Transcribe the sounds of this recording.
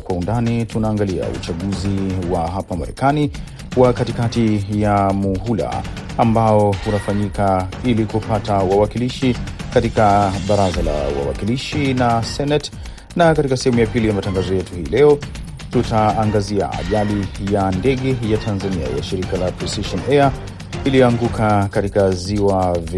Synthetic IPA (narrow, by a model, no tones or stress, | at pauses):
kwaundanitunaːŋɡalia̰ṵt͡ʃaɠuziwaɦapamaɾɛ̰kani | wakatikatijamuɦula̰ | ambaɔhunafaɲikailikupatawawakiliʃikatikaɓaɾazala̰wa̰wa̰kiliʃinasɛnɛt | nakatikasɛɦhɛmujapilijamataŋɡazɔjɛtuhiːlɛɔ | tutaːŋɡazia̰a̰ʄalijandɛɠɛjatʰanzania̰ja̰ʃiɾikalapisiʃɔnɛa | ilijɔaŋɡukakatikaziwav